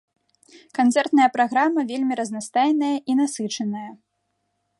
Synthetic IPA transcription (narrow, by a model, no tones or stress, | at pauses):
kant̪sɛrt̪nɐjɐpɾaɣɾamːɐvʲelʲmʲiɾɐznast̪ajnɐjɐʔinasɨt͡ʂɐnɐjɐ